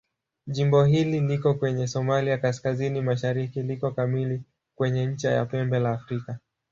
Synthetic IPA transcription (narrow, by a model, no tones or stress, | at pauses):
ʄimbɔhililikɔkwɛɲɛsɔmaliakaskazinimaʃaɾikilikɔkamili | kwɛɲɛɲ̩t͡ʃaja̰pɛmbɛlaːfɾika